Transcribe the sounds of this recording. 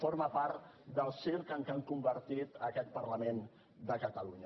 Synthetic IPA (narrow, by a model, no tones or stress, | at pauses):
foɾməpaɾt̪ | d̪əlˠsiɾkəŋkaŋkumbəɾt̪it̪əkɛt̪̚pərləmen | d̪əkət̪əluɲə